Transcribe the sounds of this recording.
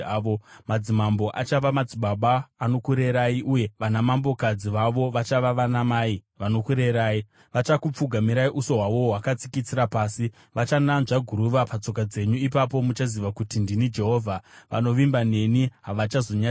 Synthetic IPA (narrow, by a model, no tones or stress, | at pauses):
omad͡zimambo̞ʔa̰t͡ʃaʋamad͡ziɓaɓaːno̞kuɾeɾaiʔuje̞ʋanamambo̞kad͡ziʋaʋo̞ʋat͡ʃaʋaʋanamaːiʋano̞kuɾe̞ɾaːi | ʋat͡ʃakup͡fuɡʱamiɾaiʔuso̞ɦwaʋo̞ɦwakat͡si̥kit͡siɾapaːsi | ʋat͡ʃananʐaɡʱuɾuʋapat͡so̞kad͡ze̞ɲuipap̬o̞mut͡ʃaziʋakutindinid͡ʒe̞ɦo̞ːvʱaʋa̰no̞ʋimbane̞niɦaʋat͡ʃazo̞ɲa